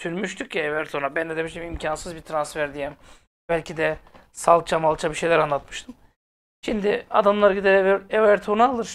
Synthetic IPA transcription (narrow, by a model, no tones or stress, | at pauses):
sʰyɾmyʃt̪ʰyc̚cievɛɾt̪ʰonabænd̪ed̪emiʃimimcʰansɯzbit̪ʰɾansfæɾd̪ijɛm | b̥ælʲcʰid̪ɛ | salˠt͡ʃʰamalˠt͡ʃʰabiʃe̞jlʲæɾanlˠat̪mɯʃt̪ʰɯm | ʃimd̪ɪa̰d̪amlˠaɾɟid̪eɾevɛɾt̪ʰonaːlˠɯɾ